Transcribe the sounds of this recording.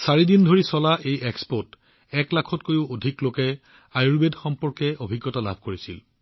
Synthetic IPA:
saɹidindʱoɹisɔlaʔejekspɔt | ɛklakʰɔtkojʊodʱiklokɛ | ajuɹbedxɔmpɔɹkɛʔobʱiɡːɔtala̰bʱkoɹisil

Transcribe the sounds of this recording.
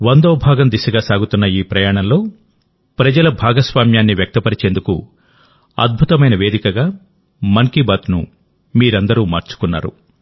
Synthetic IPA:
ʋɐnd̪oːbʱaːɡɐmd̪isɐɡaːsaːɡut̪unːɐiːpɾɐjaːɳɐnlo̞ː | pɾɐd͡ʒɐlɐbʱaːɡɐsʋaːmjaːnːiʋjɐk̚t̪ɐpɐɾit͡ʃe̞ːnd̪ukṵ | ɐ̰d̪̚bʱut̪ɐmɐjnɐʋe̞ːd̪ikɐɡaː | mɐŋkibat̪nṵ | miːɾɐnd̪ɐɾuːmaːɾt͡ʃu̥kunːa̰ːɾṵ

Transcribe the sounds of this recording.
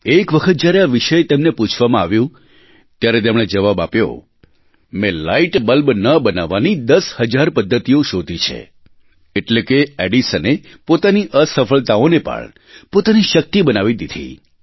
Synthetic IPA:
ekʋəkʰət̪̚d͡ʒjaɾeaʋiʃəjt̪emneput͡ʃʰʋamãaʋjũ | t̪jaɾet̪emɽ̃ed͡ʒəʋabapjo̰ | mẽlaiʈbəlbnəbənaʋanid̪əshəd͡ʒaɾpəd̪ʱːət̪ijoʃod̪ʱit͡ʃʰḛ | eʈlekeeɖisəne | pot̪aniʔəsəfəɭt̪aonepə̰ɳ | pot̪aniʃək̚t̪ibənaʋid̪id̪ʱḭ

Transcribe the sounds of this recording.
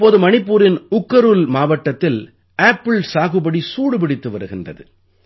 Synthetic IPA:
pːoːðɯmɐnɪpːuːɾɪnʊkːɐɾɯlmaːʋɐʈːɐt̪ːɪl | ʔaːpːɪɭsaːɣɯbɐɽisuːɽɯpɪɽɪt̪ːɯʋɐɾɯɣɪndrɐ̰ðɯ̰

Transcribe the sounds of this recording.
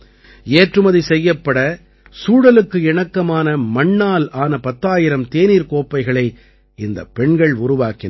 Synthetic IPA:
eːʈrɯmɐðisɛjːɐpːɐɽɐ | suːɽɐlɯkːɯɪɳɐkːɐmaːnɐmɐɳːaːlaːnɐpɐt̪ːaːjɪɾɐmt̪eːniːɾkoːpːɐɪɣɐɭɐɪ | ɪnd̪ɐ̰pːɛɳɡɐɭʊɾʊʋaːkɪn

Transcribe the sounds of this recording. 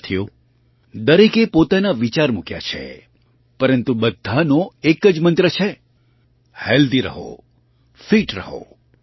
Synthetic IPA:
t̪ʰijo | d̪əɾikepot̪anaʋit͡ʃaɾmukja̰t͡ʃʰḛ | pəɾənt̪ubəd̪ʱːanoekəd͡ʒmənt̪ɾət͡ʃʰe | held̪iɾə̰ɦo̰ | fiʈɾəɦo̰

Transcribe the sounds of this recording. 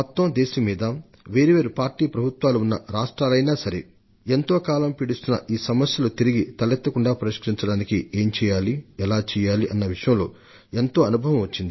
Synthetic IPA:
mɔt̪ːɐmd̪eːʃɐmːiːd̪ɐ | ʋe̞ːɾiʋeːɾupaːɾʈiːpɾɐbʱut̪ʋaːluːnːɐɾaːʂʈɾaːlɐjnaːsɐɾḛ | ent̪o̞ːkaːlɐmpiɽist̪unːɐ̰ʔiːsɐmɐsjɐlut̪iɾiɡit̪ɐlɛt̪ːɐkuɳɖaːpɐɾiʃkɐɾiɲt͡ʃɐɽaːnikieːɲt͡ʃɛːjaːliɛlaːt͡ʃɛːjaːliʔɐnːɐʋiʂɐjɐmloː | e̞nt̪o̞ːɐnubʱɐʋɐ̃mʋɐt͡ʃːind̪i

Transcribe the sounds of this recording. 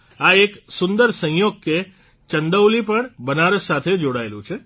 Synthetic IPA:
aeksʊnd̪əɾsə̃ɦjoɡ̚ke | t͡ʃəɳɖ̪əwlipəɳbənaɾəsat̪ʰed͡ʒoɽaelũt͡ʃʰe

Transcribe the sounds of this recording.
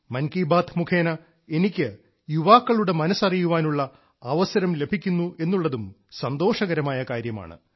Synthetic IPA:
mɐnkiːbaːt̪ʰmukʰe̞ːnɐ | e̞nikʲːɨ | juʋaːkːɐɭuɽe̞mɐnɐsɐrijuʋaːnuɭːɐ | ɐʋɐsɐɾɐmle̞bʱikʲːunːuʔe̞nːuɭːɐðum | sɐnd̪o̞ːʂɐɣɐɾɐmaːjɐkaːɾjɐma̰ːɳɨ̰

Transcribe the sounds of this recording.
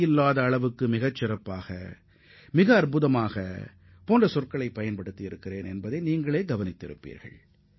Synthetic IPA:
ɪlːaːðɐːɭɐʋɯkːɯmɪɣɐt͡ʃːɪrɐpːaːɣɐ̰ | mɪɣɐːɾpɯðɐmaːɣɐ̰ | poːndrɐsɔrkɐɭɐɪpːɐjɐnpɐɽɯt̪ːɪɪɾɯkːɪreːnɛnbɐðeɪniːŋɡɐɭeːɡɐʋɐnɪt̪ːɪ̰ɾɯ̰pːḭːɾɣɐ̰ɭ

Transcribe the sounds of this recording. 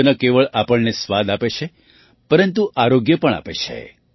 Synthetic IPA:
ənakeʋəɭʔapəɭnesʋad̪apet͡ʃʰe | pəɾənt̪uʔaɾoɡjəpəɳa̰pet͡ʃʰḛ

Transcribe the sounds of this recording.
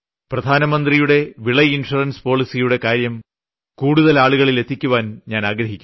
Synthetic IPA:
prɐd̪ʱaːnɐmɐnd̪rijuɽe̞ʋiɭɐjinʂurɐnspo̞ːɭisijuɽe̞kaːɾjɐm | kuːɽuðɐlaːɭuɣɐɭile̞t̪ʰːikʲːuʋaːnɲaːnaːɡɾɐɦikʲːu

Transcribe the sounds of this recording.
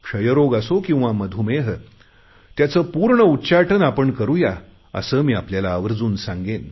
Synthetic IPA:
kʂəjəɾoɡasokĩw̃ʋaməd̪ʱumeɦə | t̪jat͡səːpuɾɳəutːɕaʈənapəɳkəɾuja | ə̰səːmiːapljalaːʋəɾd͡zuːnsãŋɡen

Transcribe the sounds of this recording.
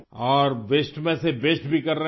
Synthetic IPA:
ɔːɾʋeːsʈmẽseʋeːsʈbʱikɐɾːɐɦ

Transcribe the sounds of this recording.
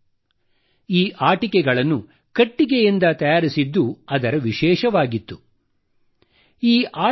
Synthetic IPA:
iːʔaːʈikɛɡɐɭɐnːu | kɐʈːiɡejind̪ɐt̪ɐjaːɾisid̪ːuɐd̪ɐɾɐʋiʃɛːʃɐʋaːɡit̪ːu | iːʔaː

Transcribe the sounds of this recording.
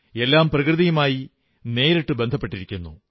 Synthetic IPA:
e̞lːaːmprɐkrɨðɐjumaːji | ne̞ːɾiʈːɨbe̞nd̪ʱɐpːe̞ʈːiɾikʲːunːṵ

